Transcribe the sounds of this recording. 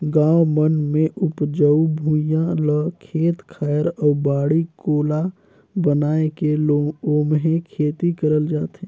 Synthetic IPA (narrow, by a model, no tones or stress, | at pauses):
ɡãːomənmẽʔʊpd͡ʒəubʱujãləkʰeːt̪kʰaːəɾɔːbaːɽikoːla | bənaːekeoːmɦekʰeːt̪ikəɾəld͡ʒaːt̪ɦɛ̃